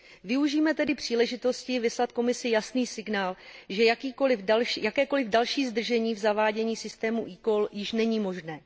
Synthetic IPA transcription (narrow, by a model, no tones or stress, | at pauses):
vɪuʒiːmɛt̪ɛdɪpr̝̥iːlɛʒɪt̪o̞scɪvɪslat̪ko̞mɪsɪjasniːsɪɡnaːlʒɛjakiːkolɪalʃjakɛːko̞lɪvdalʃiːzd̪r̩ʒɛɲiːvzavaːɟɛɲiːsɪst̪ɛːmuʔiːko̞ljɪʃnɛɲiːmo̞ʒnɛː